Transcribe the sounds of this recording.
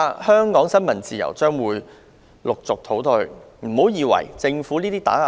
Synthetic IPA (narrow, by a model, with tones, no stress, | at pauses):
hœː˥ŋkɔː˨˥ŋsɐ˥nmɐ˨˩nt͡siː˨jɐ̰˨˩wt͡ʃœː˥ŋwuː˨˧j | lʊ˨k̚t͡sʊ˨k̚t̪ʰo˨˥wt̪ɵ˧ɥ | m̩˨˩ho˨˥wjiː˨˧wɐ̰˨˩jt͡sɪ˧ŋfuː˨˥niː˥t̪iː˥t̪a̰ː˨˥